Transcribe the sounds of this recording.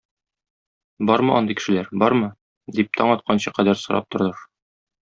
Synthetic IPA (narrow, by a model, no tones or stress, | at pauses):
bɒɾmɤʔɒ̰nd̪ɤjkɘ̥̆ʃɘ̆læɾbɒɾmɤ | d̪ip̚t̪ʰɒɴɒt̪̚qʰɑnɕɤqæd̪æɾsŏɾɑ̰p̚t̪ŏɾðɤɾ